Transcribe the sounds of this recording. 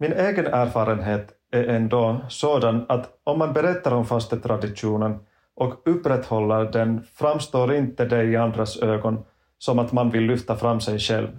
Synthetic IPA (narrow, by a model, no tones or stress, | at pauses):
mɪneːɡənæːɾfɑːɾənɦeːt̪ | æɾʔɛnd̪oːsoːd̪anat̪ɔmːanbɛɾɛt̪ːaɾɔmfast̪ət̪ʰɾad̪ɪʂuːnən | ʔɔkɵpːɾɛt̪ːhɔlːəɾɖɛnfɾamːst̪oːɾɪnt̪əd̪ɛɪand̪ɾasøːɡɔn | sɔmat̪manvɪlːʏft̪afɾamːsɛjʂɛlv